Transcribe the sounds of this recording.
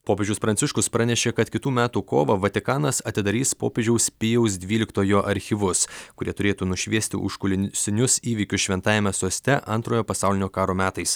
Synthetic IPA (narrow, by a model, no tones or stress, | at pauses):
poːpʲeːʒd͡ʒʲɛʊspɾɐnʲsʲɪʃkʊspɾɐnʲɛʃʲeːkɐt̪kʲɪt̪uːmʲæːt̪uːko̰ːʋɐʋɐt̪ʲɪkɑːnɐsɐt̪ʲɪd̪ɐɾʲiːspo̰ːpʲeːd͡ʒʲɛʊspʲɪjɛʊsd̪ʲʋʲiːlʲɪkt̪oːjoːʔɐɾʲxʲɪʋʊskʊɾʲiɛt̪ʊɾʲeːt̪uːnʊʃʲʋʲiɛsʲt̪ʲɪ̰ʔʊ̰ʃkʊlʲɪsʲɪnʲʊsiːʋʲiːkʲʊsʃʲʋʲɛnt̪ɑːjɪmʲɛsoːsʲt̪ʲɛʔɐnt̪ɾoːjoːpɐsɑˑʊlʲɪnʲoːkɑːɾoːmʲæːt̪ɐɪs